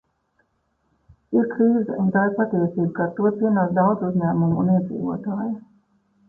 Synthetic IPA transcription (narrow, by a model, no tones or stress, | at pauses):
iɾkɾiːzɛunt̪aːiɾpat̪ɛɛsiːbkat̪uɔt̪iɛnaːzd̪awd̪zuzʲɲæːmumuniɛd̪zḭːʋṵɔt̪aːja